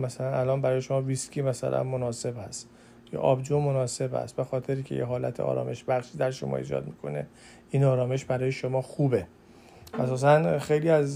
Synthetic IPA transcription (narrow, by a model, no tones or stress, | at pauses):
mæsælænælɒːnbæɾɒːjeʃo̞mɒːviscʰiːmæsæ̰lʔæ̰nmonɒːse̞bhæst̪ | jʰḛʔɒ̰bd͡ʒomonɒːse̞bhæ̰st̪be̞xɒːt̪ʰe̞ɾiːcʰejeɦɒːlæ̰t̪ʰeɒ̰ːɾɒ̰ːmʔe̞ʃbæxʃiːd̪æɾʃo̞̰mɒ̰ːḭːd͡ʒɒ̰ːd̪̚miːkʰo̞ne̞̰ | iːnɒːɾɒːme̞ʃbæɾɒːjeʃo̞mɒːxuːbe̞ | ʔæsɒːs̬ænxe̞jliːæz